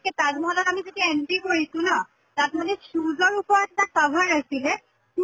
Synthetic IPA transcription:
kɛtatmɔɔdɔtamizetiaenpikoɹisʊ̃nɔ | tat̚madɛsuzɔɹupɔɹatɛtasabʱaɹasilɛ

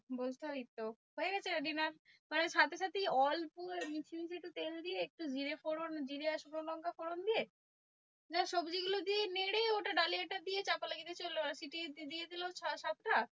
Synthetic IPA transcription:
bod͡ʑʱt̪it̪ːoɦoeɡɛt͡ɕʰeaɖinaɾmaneʃat̪ʰeʃat̪iɔlpuɾmit͡ɕʰimit͡ɕʰek̚ʈut̪eld̪ieek̚ʈud͡ʑiɾefoɽond͡ʑiɾeaʃupɾolɔŋkafoɽond̪ije | d͡ʑaʃobd͡ʑiɡulod̪ieneɽeoʈaɖalieʈad̪ijet͡ɕapalaɡit̪et͡ɕolːoasiʈid̪ied̪iloaʃat̪ʈa

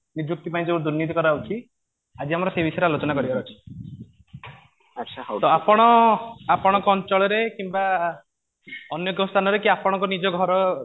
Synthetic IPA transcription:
nid͡ʒuk̚t̪ipaĩd͡ʒeũd̪uɾnit̪ikɔɾaut͡ʃʰi | ad͡ʒiamɔɾɔsebisɔjɾealot͡ʃɔnakɔɾibaɾɔt͡ʃʰi̥ | ʃʰt̪ɔapɔɽ̃ɔapɔɽ̃ɔkɔɔnt͡ʃɔɭɔɾekimba | ɔnjɔɡɔst̪ʰanɔɾekiapɔɽ̃ɔŋkɔnid͡ʒɔɡʱɔɾɔ

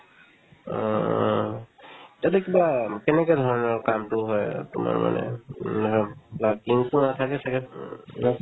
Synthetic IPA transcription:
ɔ | tatɛkibakɛnɛkɔjdʱɔɹɔnɔɹkamtʊɦɔjtṵma̰ɹma̰nɛ̰dʱɔɹlakiŋtunatʰakɛsʰakɛ

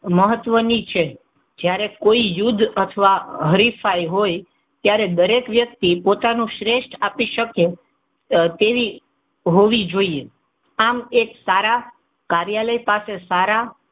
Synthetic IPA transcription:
məɦət̪ʋənit͡ʃʰe | d͡ʒjaɾekoijʊd̪ʱət̪ʰəʋaɦəɾifaiɦoj | t̪jaɾed̪əɾekʋjək̚t̪ipot̪anũʃɾeʃʈʰapiʃəke | t̪eʋi | ɦoʋid͡ʒoie | ameksaɾa | kaɾjaləipasesaɾa

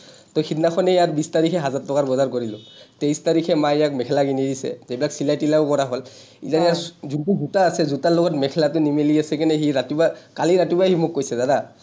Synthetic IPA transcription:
tɔxʰitnaxʰɔnɛjaɹbistaɹikʰɛɦazatːɔkaɹbɔzaɹkoɹilʊ̃tejstaɹikʰɛmajjak̚mɛkʰɛlakinidisɛ̰ebilaksilajtilaʊkɔɹaɦɔl | ḭzajaɹzuntuɡutaːsɛzutalɔɡɔtmɛkʰɛlatʊnimeliasɛkinɛɦiɾatibakaliɾatibaɦimʊkːojsɛzada

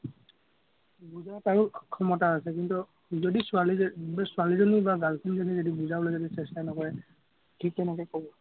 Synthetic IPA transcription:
buzataɹʊkʰɔmɔtaasɛk̬intu | zodisʊalisʊalizonibaɡalkʰinzonizodibuzabɔloejzodisɛstanɔkɔɹɛ | kʰik̚tɛnɛkɔkɔbɔ

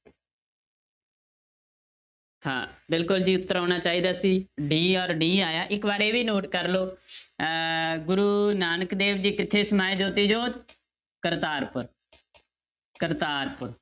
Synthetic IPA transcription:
hã̰ːbɪlkʊld͡ʒiːʊt̪ːəɾaːnaːt͡ʃaːiːd̪aːsiːɖiːɔːɾɖiːaːjaːʔɪkbaːɾeːʋiːnoːʈkəɾloː | ɡʊɾuːnaːnəkd̪eːʋd͡ʒiːkɪt̪ʰːeːsəmaːed͡ʒoːt̪iːd͡ʒoː | kəɾt̪aːɾpʊɾ | kəɾt̪aːɾpʊɾ

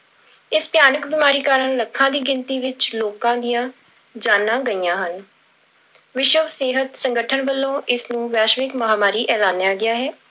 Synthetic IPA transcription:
ɪspjaːnəkbɪːmaːɾiːkaːɾəɳləkʰːãːd̪iːɡɪnt̪iːʋɪt͡ʃloːkãːd̪ɪjãː | d͡ʒaːnːãːɡəiːjãːɦən | ʋɪʃəʋseːɦət̪sə̃ŋɡəʈʰənʋəlːõːʔɪsnũːʋɛːʃʋɪkməɦaːmaːɾiːʔɛːlãːnjaːɡɪaːɦɛː

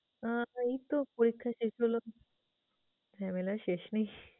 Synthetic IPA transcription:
ait̪opoɾikʰːaʃeʃɦolo | fʰɛmelaʃeʃnaj

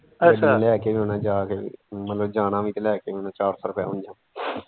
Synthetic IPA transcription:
əalɛːkeːʋiːʊnãːd͡ʒaːkeːḭːmət̪ləbd͡ʒaːnãːʋiːt̪elɛːkeːʋiːonãːt͡ʃaːɾsaːɾəpa̰ːɦʊ̃nd͡ʒãː

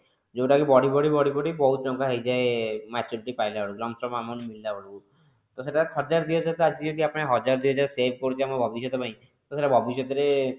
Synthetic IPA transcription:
d͡ʒowʈakibɔɽibɔɽibɔɽibɔɽibɔɦut̪d͡ʒɔŋkaɦejd͡ʒaemɛt͡ʃuɾiʈipajlaɦɔɽuɡlɔmsɔmamɔnmild̪aɦɔɽuku | t̪ɔseʈaɔd͡ʒaɾd̪ijɔd͡ʒat̪ɔad͡ʒd͡ʒɔʈiapɔɽ̃eɦɔd͡ʒaɾd̪iɔd͡ʒasebʱkɔɾut͡ʃʰiamɔbʱɔbisjɔt̪ɔpaĩ | t̪ɔseʈabʱɔbisjɔt̪ɔɾe

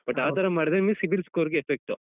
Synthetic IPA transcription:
b̥ɐʈːaːt̪ʰɐɾɐmaːɽid̪emisibilskoʋɐɾɡeefek̚ʈu

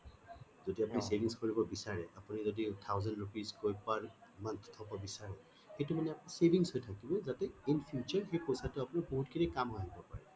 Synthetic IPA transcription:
zodiapunisebʱiŋskoɹibɔbisaɹɛapunizoditʰawzɛndɹupizkojpaɹmant̪ʰtʰɔbɔbisaɹɛ | xejtʊmanɛapnisebʱiŋshojtʰakibɔzatɛinpʰjut͡ʃɔɹxejpojsatʊapʊnaɹboɦutkinɛkamaɦibɔpa̰ɹɛ

